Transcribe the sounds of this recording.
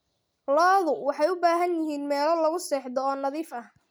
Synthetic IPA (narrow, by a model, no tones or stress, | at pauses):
lɔːðʊwɑħɑjʊbaːɦɐnjɪɦiːnmɛːlɔlɐɣʊsɛːħðɔːnɑðiːfɐh